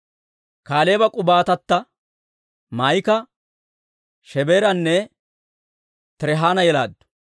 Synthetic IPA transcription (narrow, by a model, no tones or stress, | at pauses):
kaːleːbɐkʼʊbaːt̪ɐt̪ːɐ | mɐjkɐ | ʃɛbeːɾɐnːɛ | t̪ɛɾɛɦaːnɐjɛlaːd̪ːʊ̥